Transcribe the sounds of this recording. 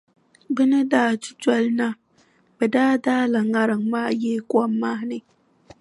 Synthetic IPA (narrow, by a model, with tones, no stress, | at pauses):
bɨ˦nɨ˦daː˦ti̥˦tɔ˦lna˦ | b̥ɛ˨daː˦daː˦la˨ŋa˦ɾɨ˨ŋmaː˦jeː˦kʷɔ˦mːa˦nɨ˨